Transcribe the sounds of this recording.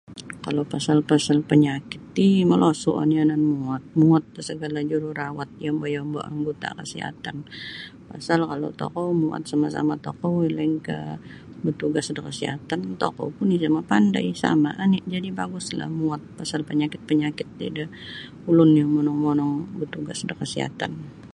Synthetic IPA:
kalowpasalpasalpəɲakɪ̥t̪̚d̪iməlʔosuʔa̰niananmuat̪̚muat̪̚səɡalad͡ʒuɾurawat̪̚jambajambo̰ʔa̰ŋɡot̪a̰kəsḭɦa̰t̪anpa̰salkalo̰t̪o̰kɔwmua̰t̪̚samasa̰mat̪okɔwilaŋkə̰ | bət̪uɡasdəkəsiat̪ant̪o̰kɔ̰wpʊnɪhsamapanda̰jsa̰ma̰ʔanɪʔd͡ʒadibaɡʊsla̰hmuat̪̚pasalpəɲakɪt̪̚pəɲakɪt̪̚dḭdə | ulʊnjamɔnɔŋmɔnɔŋbət̪uɡasdəkəsiɦa̰t̪a̰n

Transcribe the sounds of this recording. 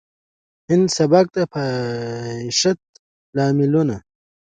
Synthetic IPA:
hind̪sɐbak̚t̪apʰa | iʃɐt̪̚ | laːmiluna

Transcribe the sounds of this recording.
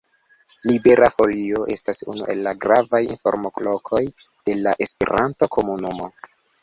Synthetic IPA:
libe̞ɾʔafo̞lio̞ʔe̞stasṵnṵʔe̞lːaɡɾavajḭnfo̞̰ɾmo̞klo̞kʰo̞j | d̥e̞laʔe̞spḛɾʔanto̞kʰo̞munumo̞

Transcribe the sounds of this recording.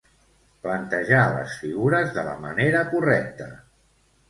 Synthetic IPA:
plənt̪əʒalə̰sfiɣuɾəzðələ̰məneɾəkurɛk̚t̪ə

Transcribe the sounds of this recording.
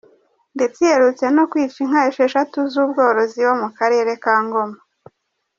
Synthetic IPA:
nde̞t͡seheɾut͡se̞no̞kwiːt͡ʃiŋ̥haeʃe̞ʃatuzuːb̚ɡo̞ːɾo̞ziwo̞mukaɾe̞ːɾe̞kaːŋɡo̞ma

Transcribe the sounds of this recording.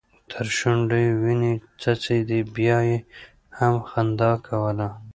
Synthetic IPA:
t̪ʰəɾʃuɳɖewinit͡sat͡sed̪ibjɑje | hamxand̪ɑkʰawəla

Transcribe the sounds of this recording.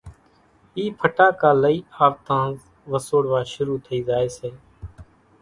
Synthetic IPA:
iːpʰəʈaːkaːləiːaːʋt̪ãː | ʋəsoːɽʋaːʃʊɾuːt̪ʰəiːzaːeːseː

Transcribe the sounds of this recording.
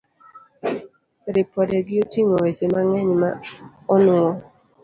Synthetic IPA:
ɾɪpɔdeɡɪotiŋowet͡ʃemaŋɛɲma̰ | ɔnʊɔ

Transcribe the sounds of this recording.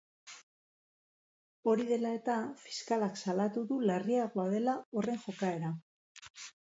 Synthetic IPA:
o̞ɾiðe̞lae̞t̪afi̥skalaksalat̪uðuleriaɣoaðe̞lao̞re̞ŋxo̞kae̞ɾa

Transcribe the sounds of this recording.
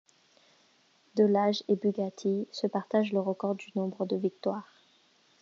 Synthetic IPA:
d̪ɔlaʒebyɡat̪ʰisəpaʁt̪aʒləʁəkɔʁd̪ynɔ̃bʁəd̪əvik̚t̪waːʁ

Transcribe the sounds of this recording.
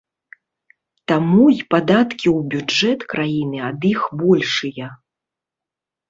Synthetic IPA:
t̪amujpad̪at̪kʲiwbʲud͡ʐɛt̪kɾʔajinɨɐd̪ixbɔlʲʂɨjɐ

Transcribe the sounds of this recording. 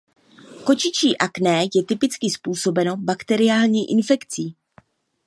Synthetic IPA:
ko̞t͡ʃɪt͡ʃiːʔaknɛːjɛt̪ɪpɪt͡skɪspuːso̞bɛno̞bakt̪ɛɾɪjaːlɲiːʔɪnfɛkt͡siː

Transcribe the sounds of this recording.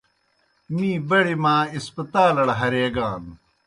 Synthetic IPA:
miːbɐɽimaːispɐt̪aːlɐɽɐɦɐɾeːɡaːn

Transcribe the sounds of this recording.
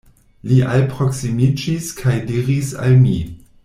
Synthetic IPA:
liʔalpɾo̞ksimid͡ʒiskʰajdiɾisa̰lmi

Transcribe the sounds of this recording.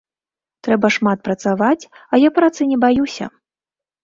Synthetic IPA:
t̪ɾɛbɐʂmat̪̚pɾɐt̪savat͡sʲɐjapɾat̪sɨnʲɛbajusʲɐ̰

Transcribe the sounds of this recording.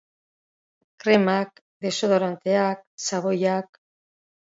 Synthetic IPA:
kɾe̞mak | d̪e̞soðoɾant̪eak̚saβojak

